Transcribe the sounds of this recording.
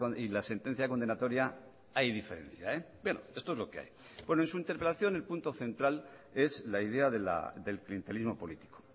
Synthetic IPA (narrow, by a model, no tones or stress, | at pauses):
ilase̞nt̪en̟θjakond̪e̞nat̪o̞ɾja | ajðife̞ɾe̞̰n̟θja̰ebwe̞no̰est̪oe̞zlo̞kea̰jbwe̞noe̞nsuint̪e̞ɾpe̞laθjo̞ne̞lpunt̪o̞θe̞nt̪ɾale̞slaið̞e̞aðe̞la̰d̪e̞lklie̞nt̪elizmo̞po̞lit̪i̥ko̥